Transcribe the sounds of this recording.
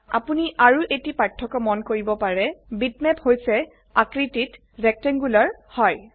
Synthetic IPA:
a̰puniʔaɹuʔetipatʰːɔkɔmɔnkoɹibɔpaɹɛbit̚mɛphojsɛ | akɹitit | ɹɛk̚tɛŋɡulaɹhɔj

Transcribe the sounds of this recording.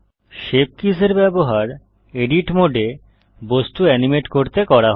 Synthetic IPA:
ʃep̚kiseɾbɛboɦaɾ | eɖiʈmoɖʱe | bost̪uɛnimeʈkoɾt̪ekɔɾaɦ

